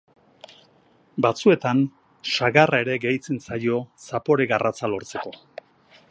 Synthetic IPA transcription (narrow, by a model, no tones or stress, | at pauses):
bat͡sue̞t̪an | ʃaɣarʔae̞ɾe̞ɡejt͡sensajo̞sapo̞ɾeɣarat͡salo̞ɾt͡se̞ko̞